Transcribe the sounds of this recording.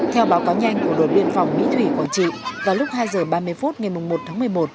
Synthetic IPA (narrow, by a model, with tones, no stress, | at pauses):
t̪ʰɛ˧wɓaː˨˦wkaː˨˦wɲa˧jŋ̟ku˧˩əɗo˨˩t̚ɓḭ˧ənfa˨˩wŋ͡mmḭ˧˥t̪ʰwi˧˩kɔ˧˩t͡ɕḭ˧˨vaː˨˩lʊ˦˥k͡p̚haː˧jzəː˨˩ɓaː˧mɨ˧əjfu˦˥t̚ŋa˨˩jmʊ˨˩ŋ͡mmo˨˩t̪ʰaː˨˦mɨ˨˩əjmo˨˩t̚